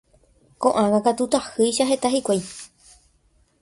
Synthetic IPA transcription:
kõ̞ʔãŋãkat̪ut̪ahɨjʃaɦe̞t̪aɦikʷaj

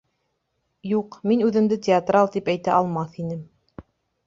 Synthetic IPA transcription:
juqminʉðɘ̆md̪ɘt̪ʲɪat̪rɑlˠt̪ipæjt̪æʔɑlˠmɑθinɘm

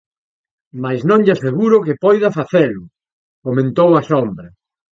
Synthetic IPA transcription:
majsnõŋʎaseɣuɾʊkɪpɔjðɐfaθelʊ | komẽnt̪owɐsombɾɐ

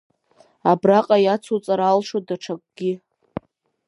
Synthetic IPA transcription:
abraqʼajat͡sʰut͡sʼaɾaːlʂodaʈ͡ʂʰakʷʼɡ̥ʲɪ

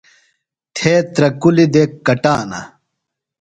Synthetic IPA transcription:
t̪ʰeːt̪ɾɐkulid̪ekːɐʈaːnɐ̰

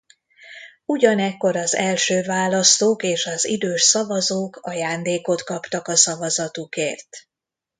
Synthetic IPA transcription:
uɟɒnɛkːo̞ɾɒzɛlʃøːvaːlɒst̪oːkeːʃɒzḭd̪øːʃsɒvɒzoːkɒjaːnd̪eːko̞t̪kɒpt̪ɒkɒsɒvɒzɒt̪ukeːrt̪

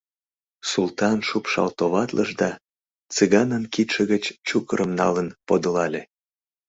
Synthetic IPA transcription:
sult̪ɑnʃupʃɑ̰lt̪oβɑt̪lʔəʒd̪ɑ | t͡sɨɣɑnənkit̪ʃə̆ɣət͡ɕt͡ɕukəɾəmnɑlənpod̪əlɑlʲe

